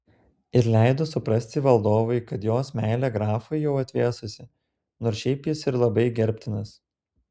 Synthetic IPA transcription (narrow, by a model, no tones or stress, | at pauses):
ɪɾlʲæɪd̪osʊpɾɐsʲt̪ʲɪʋɐlˠd̪oːʋɐɪkɐt̪joːsmʲæɪlʲɛɡɾɑːfɐɪjɛʊɐt̪ʲʋʲeːsʊsʲɪ | noːɾsʃʲɛɪpjɪsɪɾlˠɐbɐɪɡʲɛɾʲpʲt̪ʲɪnɐs